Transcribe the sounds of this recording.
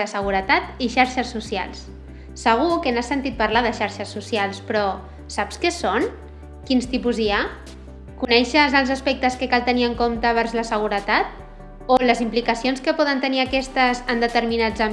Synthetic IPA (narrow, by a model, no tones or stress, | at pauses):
əsəɣ̞uɾət̪at̪iʃaɾʃəsːusia̰lˠsː | əɣ̞ukənasənt̪it̪̚pəɾlaðəʃaɾʃəsːusialˠspɾɔ | sapskəson | kinst̪ipuzia | kunɛʃəzəlˠzəspɛk̚t̪əskəkalˠt̪əniəŋkomt̪əβ̞ɛɾzləsəɣ̞uɾət̪at̪̚ | oləzimplikəsionskəpɔðənt̪əniəkɛst̪əzənd̪ət̪əɾminazə